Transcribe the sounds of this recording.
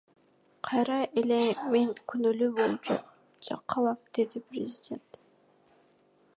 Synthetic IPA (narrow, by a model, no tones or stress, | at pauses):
qʰɑjɾɑʔelemeŋkʰynylybolˠp | d͡ʒɑ̰qʰːɑlˠɑmd̪̥e̞d̪ipɾʲɪzʲidʲe̞nt̪